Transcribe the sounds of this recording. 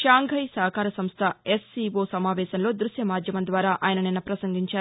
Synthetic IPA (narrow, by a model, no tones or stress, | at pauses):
ʃaːŋɡʱɐjsɐːɦɐkʰaːɾɐsɐmst̪ʰɐesːiʋoːsɐmaːʋɛːʃɐnlo̞ːd̪ɾuʃjɐmaːd̪ʱjɐmɐnd̪ʋaːɾaːʔaːjɐnɐninːɐpɾɐsɐŋɡiɲt͡ʃaːɾ